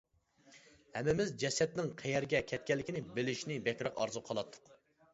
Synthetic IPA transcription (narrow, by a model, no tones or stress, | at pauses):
hɛmːɪmɪzd͡ʒɛsɛt̪nɪŋqʰɛjɛɾɡʲɛkʲʰɛt̪̚kʲɛlːɪkʲʰinɪbɪlɪʃnɪbɛkʲɾɑqɑ̰ɾzuqʰɑlˠɑt̪ʰːʊ̥q